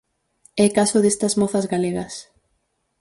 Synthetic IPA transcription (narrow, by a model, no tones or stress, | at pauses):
ɛkasʊðest̪ɐzmɔθɐzɣaleɣɐs